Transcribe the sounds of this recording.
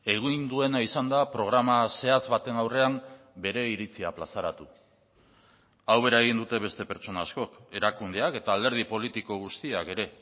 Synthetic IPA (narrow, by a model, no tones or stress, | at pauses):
e̞ɣind̪ue̞naisand̪apɾo̞ɣ̞ɾamase̞at͡sβat̪e̞nawre̞am | be̞ɾe̞iɾit͡siaplasaɾat̪u | awβe̞ɾaeɣ̞ind̪ut̪e̞βe̞st̪e̞pe̞ɾt͡ʃo̞nasko̞ke̞ɾakund̪eake̞t̪aːld̪e̞ɾð̞ipo̞lit̪iko̞ɣ̞ust̪iake̞ɾe̞